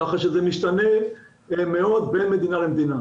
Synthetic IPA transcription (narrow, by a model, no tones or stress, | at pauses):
aχaʃezemiʃt̪ane̞ | meo̞d̪be̞nmed̪inalemd̪ina